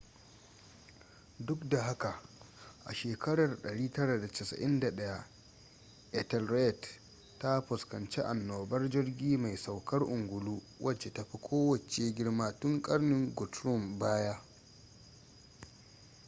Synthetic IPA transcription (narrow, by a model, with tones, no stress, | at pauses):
dʊ˦kda˨ɦa˦ka˨ʔʔa̰˨ʃeː˨kɐ˦ɽɐ˨rɗɐ˨ɽiː˦tɐ˦ɽa˨da˨tɛ˨sɐ̰˨ʔɪ˦nda˨ɗɐ˦ja˦ | ʔɛ˦tɛ˨lɾe˦˨t | tːa˦ɸʊ˨skɐ˨nt͡ʃe˦ʔa˨nːoː˨bɐ˦rd͡ʒɪ˦rɡʲiː˦ma˨jsa˨wkɐ˦rʔʊ˨ŋɡʷʊ˨luː˦ | wʔɐ˦t͡ʃːe˨ta˨ɸi˦kʷʰoː˦wɐ˨t͡ʃe˦ɡʲɪ˦ɽmaː˦tʊ˦ŋkʼɐ˦rnɪ˦ŋɡʊ˨tɾʊ˦mbaː˦ja˦